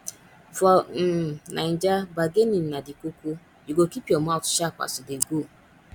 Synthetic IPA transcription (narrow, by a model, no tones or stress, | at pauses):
vɔ | nan̩d͡ʒabaɡenin̩nadikʷukʷu | jiɡokipiomaʊtʃakʷa̰sʊdeɡo